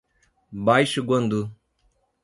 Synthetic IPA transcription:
bajʃɡɐnd̪u

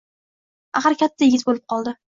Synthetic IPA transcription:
aχaɾkʲʰat̪ʰːajɪɡʲɪzbolɪp̚qʰɒlˠd̪ɪ

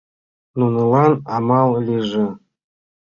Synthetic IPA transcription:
nunɤlˠɑnɑmɑlˠlʲiʐɘ̆

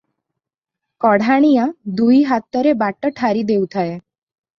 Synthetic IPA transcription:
kɔɽ̤aɽ̃ijãd̪uiɦat̪ːəɾebaʈəʈʰaɾid̪eut̪ʰae

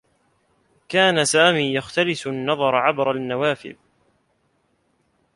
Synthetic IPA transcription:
kaːnasaːmiːjaxt̪alɪsanːɑðˤɑɾˤʕabɾˤanːawaːfɪ̰l

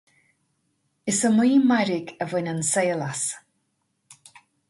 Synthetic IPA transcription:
ɪsəmiːmaɾɪɡəvɪnənsejlas

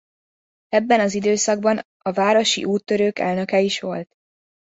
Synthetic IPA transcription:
ɛbːɛnɒzid̪øːsɒɡbɒn | ɒvaːɾo̞ʃḭʔuːt̪ːøɾøːkɛ̰lnø̞kɛiʃʋo̞lt̪

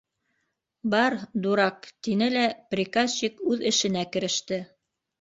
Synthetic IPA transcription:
bɑɾd̪uɾɑqt̪inɘlæprʲikazɕikʉðɘ̆ʃɘ̆nækɘ̆ɾɘ̆ʃt̪ɘ

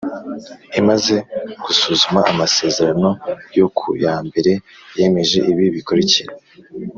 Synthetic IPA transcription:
imaze̞ɡ̥usuːzumaʔamase̞ːze̞ɾano̞jo̞kʰṵjaːmbe̞ɾe̞je̞me̞ʒe̞ʔiβiβiko̞ɾiciɾe

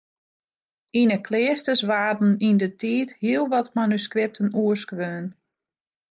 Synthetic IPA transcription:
inəkʰlɪːəstəsʋaːdn̩indətʰiːthiəlˠʋɔtmanyskrɪp̚tʰənuəskʋøːn

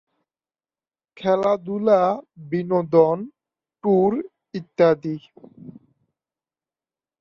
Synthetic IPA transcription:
kʰɛlad̪ulabinod̪ɔn | ʈuɾ | it̪ːad̪i

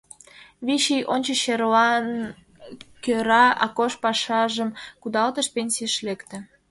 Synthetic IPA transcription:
βiɕijʔonʲt͡ɕəɕerlɑn | køɾɑɑ̰koʃpɑʃɑʒəmkud̪ɑlt̪əʃpenʲsʲiəʃlekt̪ĕ

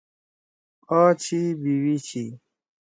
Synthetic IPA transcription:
ɔt͡ʃʰibiwit͡ʃʰi

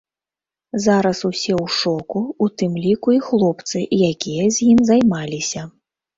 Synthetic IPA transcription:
zaɾɐsusʲɛwʂɔkuut̪ɨmlʲikuixlˠɔpt̪sɨʔjakʲijɐzʲjimzajmalʲisʲɐ

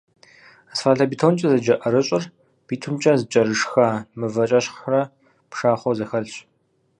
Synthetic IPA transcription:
asfaːɬɐbiːtʰont͡ʃʼɐzɐd͡ʒɐʔɐɾɨɕʼɪr | b̥iːtʰɨmt͡ʃʼɐzɨt͡ʃʼɐɾɨʂxaːmɨvɐt͡ʃʼɐɕχrɐ | pʂaːχʷɔzɐxɐɮɕ

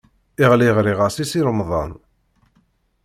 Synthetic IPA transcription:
iʁliʁɾiʁasisiɾmðˤɑ̰n

